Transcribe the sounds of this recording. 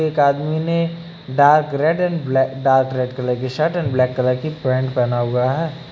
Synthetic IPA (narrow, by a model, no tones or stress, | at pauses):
eːkaːd̪mine | ɖaːɾkɾeɖɛnbɖaːɾkɾeɖkələkiʃəɾʈɛnblɛːkːələkipɾɛ̃ːɳɖpɛnaːuɡaɦɛ